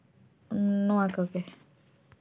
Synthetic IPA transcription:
nʊ̃akoke

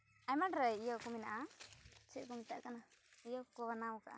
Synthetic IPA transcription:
ajmãnɾəijokumĩnãʔat͡ʃeʔkumĩt̪aʔkanãijokoβanãukaʔ

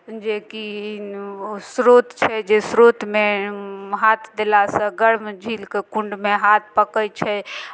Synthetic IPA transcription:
d͡ʒeki | sɾot̪t͡ʃʰɛd͡ʒesɾot̪me | ɦat̪ʰd̪elasə̃ɡəɾmd͡ʒʱilkekũɳɖmeɦat̪̚ʰpəkət͡ʃʰɛ

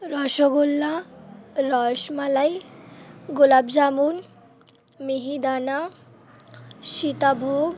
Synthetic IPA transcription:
ɾɔʃoɡolːa | ɾɔʃmalaj | ɡulabd͡zamuːn | miɦid̪ana | ʃit̪abʱoɡ

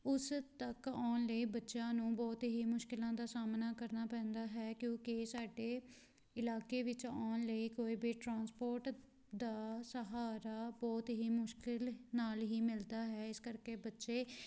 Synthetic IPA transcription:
ʊst̪əkɔːnləiːbətːʃãːnũːbɔːt̪ɦiːmʊʃkɪlãːd̪aːsaːmnaːkəɾnaːpɛ̃ːnd̪aːɦɛːkjõːkɪsaːɖeː | ɪlaːkeːʋɪt͡ʃaːnləiːkoːiːbiʈɾãːnspoːɾʈ | d̪aːsəɦaːɾaːbɔːt̪ɦiːmʊʃkɪlnaːlɦiːmɪld̪aːɦɛːɪskəɾkeːbətːʃeː

